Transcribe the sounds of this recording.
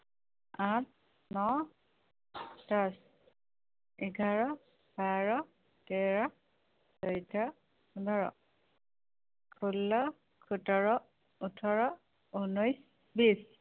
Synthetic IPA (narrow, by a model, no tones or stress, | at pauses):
at̚ | nɔ | tas | ɛɡʱaɹɔ | baɹɔ | tɛɹɔ | sɔjtʰɔ | unɔɹɔ̰ | kʰulːɔ | kʰutɔɹɔ | utʰɔɹɔ | unujs | bis